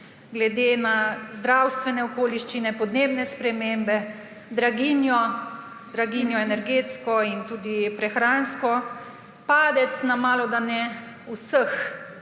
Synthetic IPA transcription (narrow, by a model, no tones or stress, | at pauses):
ɡlɛd̪eːnazd̪ɾawst̪ʋɛnɛɔkoːliʃt͡ʃinɛpɔd̪neːbnɛspɾɛmembɛ | d̪ɾaɡiːnjɔ | d̪ɾaɡinjɔɛnɛɾɡeːt̪skɔint̪uːd̪ipɾɛxɾaːnskɔ | paːd̪ɛt̪snamaːlɔd̪anɛ | usəx